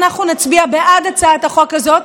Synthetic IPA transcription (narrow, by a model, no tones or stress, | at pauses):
naχnunat͡sbiabeʔad̪at͡saːt̪haχokazo̞t̪